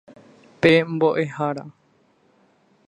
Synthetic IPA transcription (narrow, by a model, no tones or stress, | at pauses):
pemboʔehaɾa̰